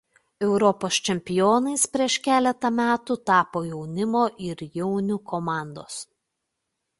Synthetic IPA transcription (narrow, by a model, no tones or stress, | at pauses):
ɛʊɾɔpoːst͡ʃʲɛmʲpʲɪjoːnɐɪspʲɾʲiɛʃkʲæːlʲɛt̪ɐmʲæːt̪ʊt̪ɑːpoːjɛʊnʲɪmoːʔɪɾjɛʊnʲukʰɔmɑˑnd̪o̰ːs